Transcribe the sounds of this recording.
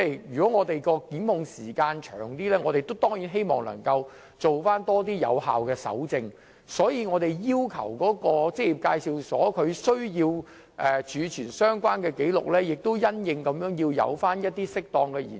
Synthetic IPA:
ɛ˥˩jyː˨kɔː˨˥ŋɔː˨˧t̪e˨˩jkɔː˧kiː˨˥nʊ˨˧ŋsiː˨˩kaː˧nt͡ʃʰœ̰ː˨˩ŋt̪iː˥lɛː˥ŋɔ˨˧t̪e˨jt̪o˥wt̪ɔː˥ŋji˨˥nɦe˥jmɔ̰ː˨ŋlɐ̰˨˩ŋkɐ˧w | t͡so˨wfaː˥nt̪ɔː˥t̪iː˥jɐ̰˨˧wha̰ː˨wkɛː˧sɐ̰˨˥wt͡sɪ˧ŋ | sɔː˨˥jiː˨˧ŋɔː˨˧t̪e˨˩jjiː˥wkʰɐ̰˨˩wkɔː˨˥kɔː˧t͡sɪ˥i˨p̚kaː˧jsi˨˧wsɔ̰ː˨˥kʰɵ˨˧ɥsɵ˥ɥjiː˧w | ʔɛ˨t͡ʃʰyː˨˧t͡ʃʰyː˨˩nsœː˥ŋkʷwaː˥nkɛː˧ke˨˥jlʊ̰˨k̚lɛː˥jɪ˨k̚t̪o˥wjɐ˥njɪ˨˧ŋkɐ˨˧mjœː˨˥ŋji˧wjɐ̰˨˧wfaː˥njɐ˥t̚t̪iː˥sɪ˥k̚t̪ɔː˧ŋkɛː˧jḭː˨˩

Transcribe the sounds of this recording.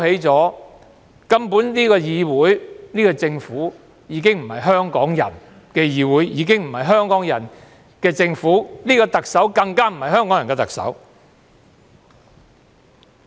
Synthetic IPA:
he˨˥jt͡sɔː˨˥ | kɐ˥mpuː˨˥nniː˥kɔː˧jiː˨˧wuː˨˥jniː˥kɔː˧t͡sɪ˧ŋfuː˨˥ | jiː˨˧k̬ɪ˥ŋm̩˨˩hɐ˨jɦœː˥ŋkɔː˨˥ŋjɐ̰˨˩n | kɛː˧jiː˨˧wuː˨˥jjiː˨˧˥kɪ˥ŋm̩˨˩hɐ˨jɦœː˥ŋkɔː˨˥ŋjɐ̰˨˩n | kɛː˧t͡sɪ˧ŋfuː˨˥niː˥kɔː˧t̪ɐ˨k̚sɐ˨˥wkɐ˧ŋkaː˥m̩˨˩hɐ˨jhœː˥ŋkɔː˨˥ŋjɐ˨nkɛː˧t̪ɐ˨k̚sɐ̰˨˥w

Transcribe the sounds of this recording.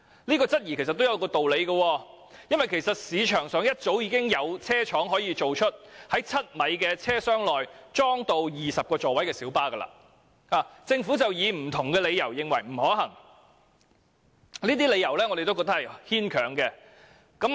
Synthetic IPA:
liː˥kɔː˧t͡sɐ˥t̚ji˨˩kʰe˨˩sɐ˨˩t̪ːjɐ˧wkɔː˧t̪o˨wle˨˧jɡɐ˧wɔː˧ | jɐ˥nwɐ˨jkʰe˨˩jsɐ˨t̚siː˨˧t͡ʃʰœː˨˩ŋsœː˨˧˥ŋjɐ˥t̚t͡so˨˥wjiː˨˧˥kɪ˥ŋjɐ˨˧wt͡sʰɛː˥t͡ʃʰɔː˨˥ŋɦɔː˨˥jiː˨˧t͡so˨wt͡ʃʰɵ˥t̚hɐ˨˥jt͡sʰɐ˥t̚mɐ˨˥jkɛː˧t͡sʰɛː˥sœː˥ŋlɔː˨jt͡sɔː˥ŋt̪o˧wjiː˨˩sɐ˨p̚kɔː˧t͡sɔː˨wɐ˨˥jkɛː˧siː˨˥wpaː˥ɡɐ˧la̰ː˧ | aː˨˩t͡sɪ˧ŋfuː˨˥t͡sɐ˨wjiː˨˧m̩˨˩t̪ʰʊ˨˩ŋkɛː˧le˨˧jɐ˨˩wjɪ˨ŋwɐ˨˩jm̩˨˩ɦɔː˨˥ɦɐ˨˩ŋ | liː˥t̪̬iː˥le˨˧jɐ˨˩wlɛː˥ŋɔː˧ɾe˨jt̪o˥kɔ˧t̪ɐ˥hɐ˨jhiː˥nkʰœː˨˩ŋkɛ˧ | kɐ˨˥m

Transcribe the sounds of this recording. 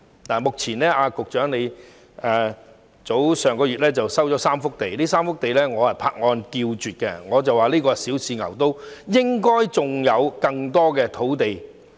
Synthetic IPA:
naː˨˩mʊ˨k̚t͡sʰiː˨˩nlɛː˥aː˧kʊ˨k̚t͡ʃœː˨˥ŋne˨˧j | ɛː˨ | t͡so˨˥wsœː˨ŋkɔː˧ɥyː˨t̚lɛː˥t͡sɐ˨wsɐ˥wt͡ʃɔː˨˥saː˥mfʊ˥k̚t̪e˨jliː˥saː˥mfʊ˥k̚t̪e˨jlɛː˥ŋɔː˨˧hɐ˨jpʰa̰ː˧k̚ŋɔː˧nkiː˧wt͡ʃyː˨t̚kɛ̰˧ŋɔː˨˧t͡sɐ˨waː˨liː˥kɔː˧siː˨˥wt͡sʰiː˨˧ŋɐ̰˨˩wt̪o˥wjɪ˥ŋkɔː˥jt͡sʊ˨˩ŋjɐ˨˧wkɐ˧ŋt̪ɔː˥kɛː˧t̪ʰo˨˥wt̪e˨j

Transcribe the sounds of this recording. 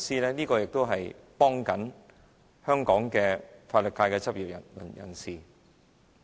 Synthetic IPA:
siː˥lɛː˥niː˥kɔː˧jɪ˨k̚t̪o˥wɦɐ˨jpɔː˥ŋkɐ˨˥n | hœː˥ŋkɔː˨˥ŋkɛː˧faː˧t̚lɵ˨kaː˧jkɛː˧t͡sɐ˥p̚jiː˨p̚ɐ̰˨˩˨njɐ̰˨˩nsiː˨˩

